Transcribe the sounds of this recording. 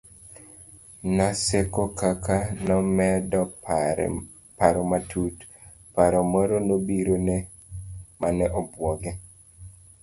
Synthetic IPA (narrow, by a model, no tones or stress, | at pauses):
nasekokakanɔmɛdɔ̰ | paɾɔmatʰut | paɾɔmɔɾonobiɾone | manɛʔɔbwɔɡɛ